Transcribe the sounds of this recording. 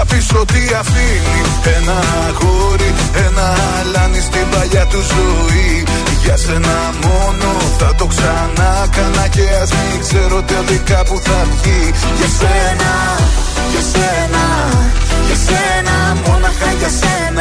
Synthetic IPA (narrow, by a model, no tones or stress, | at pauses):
ɐfisɾo̞t̪iɐfini | enɐ | ɣoɾi | enɐ | lɐnist̪ivɐʝɐt̪uzui | ʝɐse̞nɐ | mo̞no | θɐt̪o̞ksɐnɐkɐnɐce̞ɐzmikse̞ɾot̪eðikɐpuθɐvʝiʝɐsenɐ | ʝɐsenɐ | ʝɐse | nɐ | monɐɐʝɐsen